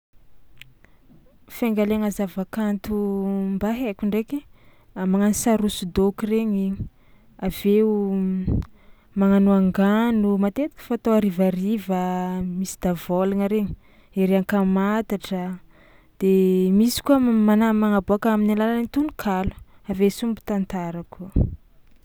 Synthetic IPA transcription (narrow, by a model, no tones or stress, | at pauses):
faŋɡaleŋəzavakant̪umbaɦekʲuɳɖ͡ʐeki | amaŋanisaɾusud̪okireɲi | aveu | maŋanuaŋɡanumat̪et̪i̥kʲə̥fat̪oaɾivaɾivəmisi̥d̪avolanəɾeɲi̥ | eɾeaŋkamat̪aʈ͡ʂə | d̪̥emisi̥kuəmanamaŋaboakaminalalaenit̪unukʰalu̥ | avesumbu̥t̪ant̪aɾakuə